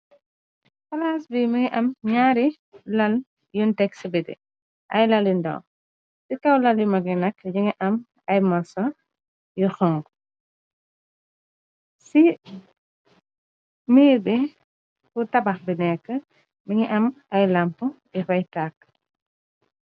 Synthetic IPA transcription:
fɐlaːsbimiŋiʔɐmɲaːɾi | lɐl | juntɛksibidḭ | ʔɐjlɐlindɔ̰w | sikɐwlɐljumɐɡinɐkːɲiŋiʔɐm | ɐjmɐsɔ | juxɔŋɡ | si | miːɾbi | kutɐbɐxbinɛkːə | miŋiʔɐmɐjlɐmpu | ifɐjtakː

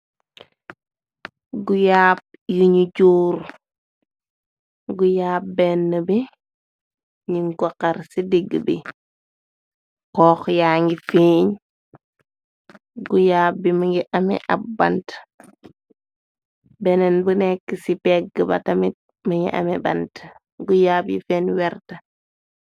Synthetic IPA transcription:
ɡujaːp̚juɲuɟuːɾ | ɡujaːp̚bɛnːəbi | ɲiŋɡɔkɐɾsidiɡəbḭ | kɔːxjaːŋɡifeːɲ | ɡujaːb̚bimɐŋɡiʔɐmḭʔɐb̚bːɐ̰nt | bɛnɛnbənɛkːəsipɛɡəbɐ̰tɐmit̚ | məŋḭʔɐ̰mɛbɐ̰nt | ɡujaːbjḭfɛːnwɛɾtə

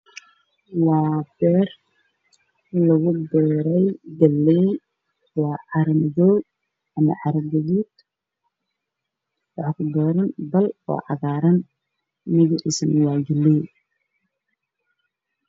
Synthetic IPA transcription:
wɑːbɛːr | lɐɣʊbɛːɾɛjɡɐlːɛj | wɑːʕɑɾmɪðɔː | ɐmɐ̰ʕɑɾɡɐðuːd̪ | wɑħkʰʊd̪ɔːɾɐnbɐlɔ̰ːʕɑɣaːɾɐn | mɪɣɪʔɪsnwɑːɡɐlɛj

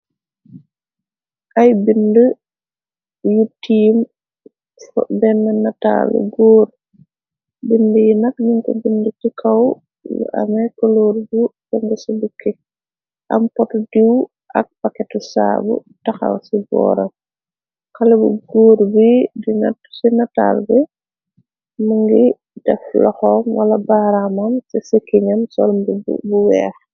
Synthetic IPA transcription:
ʔajbində | jutːim | fbɛnːɛnata̰ːlṵɡoːɾ | bindəjinɐk̚ɲiŋkɔ̰bindətikʰaw | lṵʔa̰mɛkɔloːɾbufɔŋɡɛsɔbukʰːɛ | ʔɐ̰mpɔtudiw | ʔɐk̚pakɛtusa̰ːbṵtɐxɐ̰wsibɔ̰ːɾɐm | kɐlɛbuɡoːɾbidinɐ̰tːsinɐta̰lbɛ | muŋɡi | dɛ̰flɔxɔmwɐlɐbaːɾamɐmsɛsəkːiɲɐmsɔlmbub̰buwɛːx

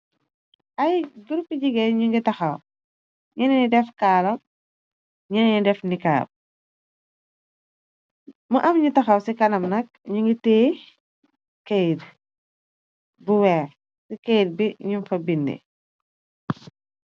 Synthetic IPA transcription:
ʔɐjɡuɾpːiɟiɡɛɲuŋɡitɐxɐw | ɲininidɛfkaːlɐm | ɲinɛnidɛfnika̰ːp̚ | muʔɐmɲutɐxɐwsikɐnɐmnɐk̚ | ɲuŋɡitɛː | kejt | buwɛːr | sikɛjd̚biɲumfɐbindḭ

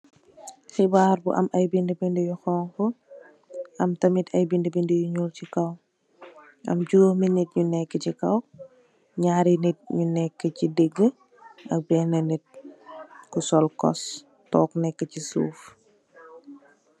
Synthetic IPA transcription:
xibaːɾbṵʔɐ̰mʔɐjbindəbindəjuxɔːŋkɔ | ʔɐmtɐmitʰɐjbindəbindəjuɲulcikɐw | ʔɐ̰mɟuːhminit̚ɲunɛkːəcikɐw | ɲaːɾinit̚ɲunɛkːəcideɡːə | ʔɐk̚bɛnɐnit̚ | kusɔlkɔ̰s | tɔːknɛkːəcisṵːf

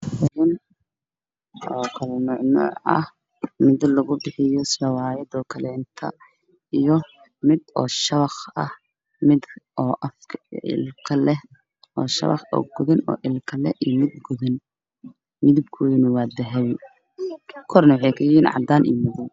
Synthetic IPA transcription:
ɪðɪn | ʔɔːkʰɐlɛnʊʕnɔ̰ːʕɐ̰h | mɪd̪lɐɣʊbɪħɪjɔsɐwaːjɐd̪ɔːkʰɐlɛːnt̪ʰɐ | ijɔ | mɪd̪ɔːʃɐβɐχɐh | mɪd̪ɔːʔɐfkʰɪ̰lkʰɐlɛ | ɔːʃɐ̰βɑ̰χɔ̰ɡʊðɪnɔ̰ːʔɪlkʰɐlɛ̰ʔijmɪd̪ɡʊðɪn | mɪðɪb̚kʰʊjnʊwɑːd̪ɐɦɛβɪ | kʰːkʰɔɾnɐwɑħɑjkʰɐjiːnʕɑ̰d̪aːnʔḭːmɪðɪb

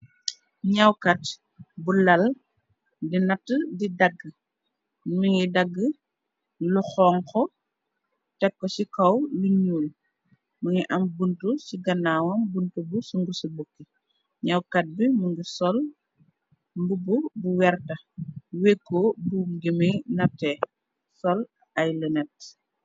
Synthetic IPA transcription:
ɲɐwkɐt | bulɐl | dinɐtːədidɐɡːə | miŋɡidɐɡːə | luxɔːŋkɔ | tɛkːɔsikɐwluɲuːl | mɐŋiʔɐmbuntusiɡɐnːaːwɐmbuntubusuŋɡusubokːi | ɲɐwkɐt̚bimuŋɡisɔl | mbububuwɛrtɐ | wekːoːbuɡimijnɐtːɛː | sɔl | ɐjlənɛt

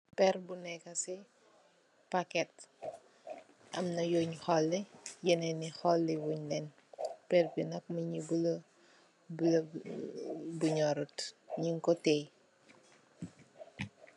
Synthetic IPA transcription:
pɛrbunɛkɐsi | pakɛt̚ | ʔɐ̰mnɐjoːɲxɔlːɛjɛnɛnixɔlːiwuɲlɛn | pɛrbinɐk̚mɐɲibul | bul | buɲɔɾutɲiŋkɔtej

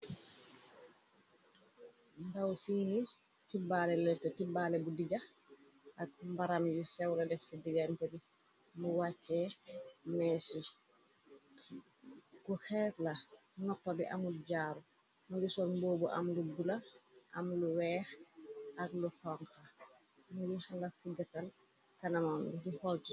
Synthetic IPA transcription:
ndawsini | tibalɛlɛtːɔtibaːlɛbudiɟax | ʔak̚mbaɾamjusɛwladɛfsidiɡantɛbi | muwat͡ʃːɛ | mɛːsi | kuxɛːsla | nɔkpabiʔamuɟaːɾu | mulisɔnboːbuʔa̰mlubulaʔa̰mluwɛːxʔakluhɔŋka | mujihalasiɡatal | kanamambidihɔlti

